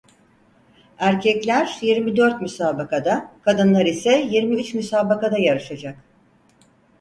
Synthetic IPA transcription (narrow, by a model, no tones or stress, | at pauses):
æɾcʰɛclʲæɾjiɾmid̪øɾt̪mysaːbakʰad̪akʰad̪ɯnlˠaɾisɛjiɾmiyt͡ʃmysaːbakad̪ajaɾɯʃad͡ʒak